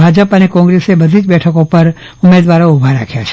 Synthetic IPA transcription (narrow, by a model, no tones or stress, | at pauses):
ad͡ʒəpənekɔ̃ŋɡɾesebəd̪ʱid͡ʒbɛʈʰəkopəɾ | ʊmed̪ʋaɾoubʱaɾa̰kʰjat͡ʃʰ